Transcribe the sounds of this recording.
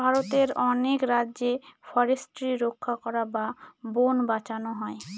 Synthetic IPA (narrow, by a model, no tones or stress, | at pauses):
bʱaɾot̪eɾɔnekɾadːʑefɔɾesʈɾiɾokʰːakɔɾababonbat͡ɕanoɦɔe